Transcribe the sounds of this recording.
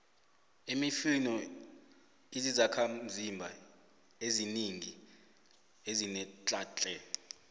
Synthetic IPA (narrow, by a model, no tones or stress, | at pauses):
imifinɔ | izizakʰam̩vimbʱa | eziniŋi | ezinɛt͡ɬʼaːt͡ɬʼɛ